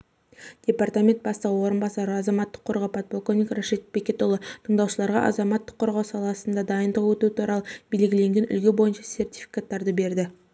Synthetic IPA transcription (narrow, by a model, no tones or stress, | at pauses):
d̪̥ʲe̞part̪amʲe̞nt̪̚bɑst̪əʁəwo̞ɾənbɑsɑɾəɑzɑmɑt̪ːə̥qʰːoɾʁɑwpʰat̪̚polkovnʲikroʃet̪̚bekʲe̞t̪oʊlˠət̪ʰəɴd̪ɑwʃəlˠɑɾʁɑ̰ʔɑ̰zɑmɑt̪ːə̥qʰːoɾʁɑwsɑlˠɑsənd̪ɑd̪ɑjənd̪əʁwɵt̪ut̪ʰuɾɑlˠəbe̞lɡʲɪle̞ŋɡʲe̞nʔʏ̰lɡʲebo̞jənʃɑsʲe̞rt̪ʲi̥fi̥kat̪ːɑɾd̪əbe̞ɾd̪ɪ